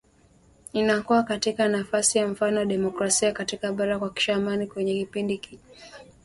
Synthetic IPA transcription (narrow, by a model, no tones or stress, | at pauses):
inakuwakatikanafasijam̩fanɔwaɗɛmɔkɾasiakatikaɓaɾakwaki̥ʃaːmanikwɛɲɛkipindiki